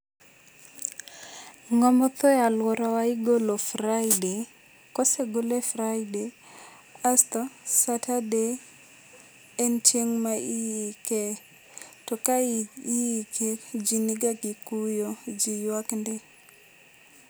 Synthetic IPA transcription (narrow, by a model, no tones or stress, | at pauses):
ŋɔmɔt̪ɔjalwɔɾawaiɡolofɾajde | kɔseɡolefɾajde | ast̪ɔsatade | nt͡ʃeŋmaijike | tɔkaijikʰed͡ʒiniɡakikujod͡ʒijwaknde